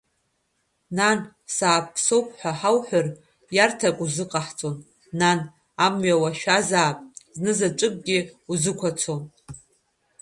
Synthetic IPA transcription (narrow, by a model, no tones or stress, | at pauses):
nan | saːpʰso̞wpʰħʷaħawħʷᶣʊr | jartʰakʷʼuzɨqʼaħt͡sʼonː | an | amɥawaʃᶣazaːpʼznɨzat͡ʃʷʼɨkʷʼɡʲɪuzɨkʷʰat͡sʰon